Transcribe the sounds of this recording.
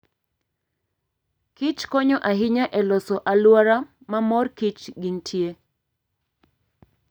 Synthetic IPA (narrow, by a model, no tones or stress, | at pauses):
kit͡ʃkɔɲɔʔaɦɪɲaʔɛlɔsɔʔalwaɾa | mamɔrkit͡ʃɡiŋtʰje